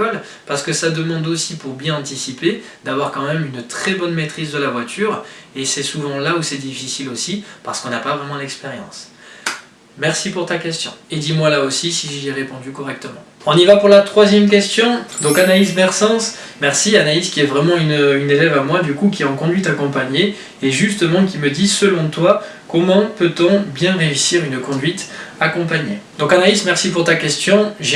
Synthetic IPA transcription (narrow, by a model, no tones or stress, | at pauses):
ɔl | paʁsə̥kəsad̪əmɑ̃d̪osipuʁbjɛ̃ɑ̃t̪isipe | d̪avwaʁkɑ̃mɛmynt̪χɛbɔnmet̪χizd̪əlavwat̪ʰyːʁesɛsuvɑ̃lausɛd̪ifisilosipaʁsə̥kɔ̃napavʁɛmɑ̃lɛkspeʁjɑ̰̃s | mɛʁsipuʁt̪akʲɛst̪jɔ̃ed̪imwalaosisiʒiɛʁepɔ̃d̪ykɔʁɛk̚t̪əmɑ̰̃ɔ̃nivapuʁlat̪χwazjɛmk̬ʲɛst̪jɔ̃d̪ɔ̃kanaisbɛʁsɑ̃s | mɛʁsianaiskʲiɛvʁɛmɑ̃ynynelɛvamwad̪ykukʲiɛɑ̃kɔ̃d̪ɥit̪akɔ̃paɲe | eʒyst̪əmɑ̃kʲiməd̪isəlɔ̃t̪wa | kɔmɑ̃pøt̪ɔ̃bjɛ̃ʁeysiʁynkɔ̃d̪ɥit̪akɔ̃paɲjed̪̥ɔ̃kanaismɛʁsipuʁt̪akʲɛst̪jɔ̃ʒ